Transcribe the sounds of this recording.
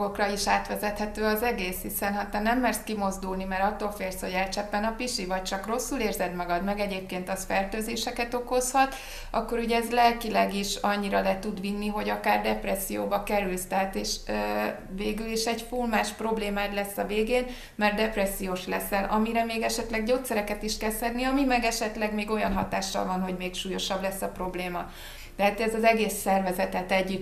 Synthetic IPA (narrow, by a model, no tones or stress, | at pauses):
ɡokrɒiʃaːt̪ʋɛzɛt̪hɛt̪øːɒzɛɡeːshisɛnɦɒt̪ɛnɛmːɛrskimo̞zd̪ulnimɛɾɒt̪ːo̞lfeːrsho̞ɟɛlt͡ʃɛpːɛnɒpiʃivɒc̚t͡ʃɒkro̞sːuleːrzɛd̪mɒɡɒd̪mɛɡɛɟeːp̚keːnt̪ɒsfɛrt̪øːzeːʃɛkɛt̪o̞ko̞shɒt̪ | ɒ̰kːo̞ɾuːɟɛzlɛlkilɛɡiʃɒɲːiɾɒlɛt̪ud̪ʋinːiɦo̞ɟɒkaːrd̪ɛprɛsːijoːbɒkɛɾylst̪ɛɦaːt̪eːʃ | veːɡyliʃɛɟfuːlmaːʃpro̞bleːmaːt̪lɛsːɒveːɡeːn | mɛrd̪d̪ɛprɛsːijoːʃlɛsɛlʔɒmiɾɛmeːɡɛʃɛt̪lɛɡɟoːt̪sɛɾɛkɛt̪iʃkɛsɛd̪niɒmimɛɡɛʃɛt̪lɛɡmeːɡo̞jɒnɦɒt̪aːʃːɒ̰lvɒnɦo̞ɟmeːkʃuːjo̞ʃɒblɛsːɒpro̞bleːmɒ | t̪ɛɦaːt̪ɛzɒzɛɡeːsːɛrvɛzɛt̪ɛt̪ɛɟːyt̪